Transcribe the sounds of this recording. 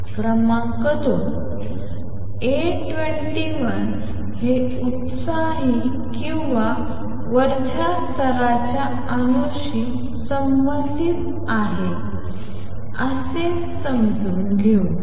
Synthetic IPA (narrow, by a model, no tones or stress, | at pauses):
pɾəmakət̪o | e | ʈʋeɳʈiʋən | ɦe | ut̪sa | ɦi | kĩw̃ʋa | ʋəɾt͡ɕʰast̪ʰəɾat͡ɕja | anoɕi | səmːət̪it̪ | aɦe | əse | səmd͡zunɡʱeu